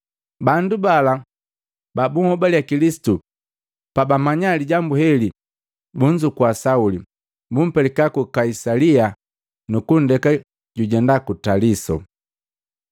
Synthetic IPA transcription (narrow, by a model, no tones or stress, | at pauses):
bandubala | babuŋhɔbaljakilisi̥tu | pabamaɲaliɟambuhɛli | buɲd͡ʒukwasauli | bum̩pɛlɛkakukaisalia | nukun̩dɛka | ɟuɟɛndakutalisɔ̰